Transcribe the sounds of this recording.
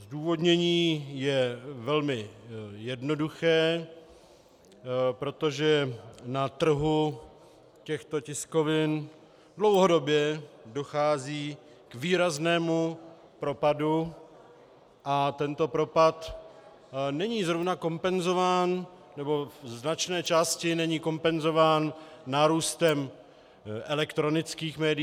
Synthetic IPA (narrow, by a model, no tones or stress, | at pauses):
zduːvo̞dɲɛɲiːjɛvɛlmɪjɛdnoduxɛː | pɾo̞t̪o̞ʒɛnat̪r̩ɦu | cɛxt̪o̞cɪsko̞vɪn | dlo̞wɦo̞do̞bjɛdo̞xaːziː | kviːɾaznɛːmu | pɾo̞padu | ʔat̪ɛnt̪o̞pɾo̞pat̪ | nɛɲiːzɾovnako̞mpɛnzo̞vaːn | nɛbo̞vznat͡ʃnɛːt͡ʃaːscɪnɛɲiːko̞mpɛnzo̞vaːnːaːɾuːst̪ɛm | ʔɛlɛkt̪ɾo̞nɪt͡skiːxmɛːdɪ